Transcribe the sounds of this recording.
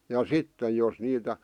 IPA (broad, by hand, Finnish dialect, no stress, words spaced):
jɑ sitːe jos niːtæ